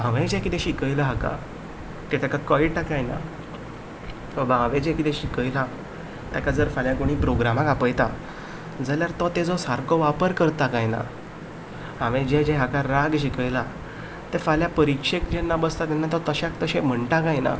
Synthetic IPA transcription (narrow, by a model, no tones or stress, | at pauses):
ãʋẽd͡ʑɛ̃kit̪ɛ̃ɕikəjlaɦaka̰ | t̪ɛt̪akakɔiʈakajna̰ | əbãʋed͡ʑɛ̃kit̪ɛ̃ɕikəjla | t̪jakad͡zəɾfaljãkoɽ̃iːpɾoɡɾamakapəjt̪a | d͡zaljaɾt̪ɔt̪ed͡zɔsaɾkɔʋapəɾkəɾt̪akajna̰ | ɦaʋẽd͡ʑɛd͡ʑɛ̃ɦakaɾaɡɕikəjla | t̪efaljapəɾikʂekd͡ʑɛnːabəst̪at̪ɛnːat̪ɔt̪əɕakt̪əɕɛ̃m̤əɳʈakajna̰